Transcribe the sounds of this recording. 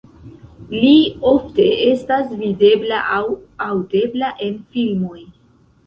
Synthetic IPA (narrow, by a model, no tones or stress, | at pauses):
lio̞fte̞estasvide̞blaʔawawde̞blaʔe̞nfilmo̞j